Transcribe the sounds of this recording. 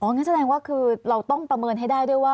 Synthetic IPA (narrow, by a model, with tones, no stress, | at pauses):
ʔɔː˨˦ŋa˧˦˥ns̬a˧dɛː˧ŋwaː˥˩kʰɯː˧ɾa˧wt̪ɔ˥˩ŋpɾa˧mɤː˧nɦa˥˩jdaː˥˩jdu˥˩əjwaː˥˩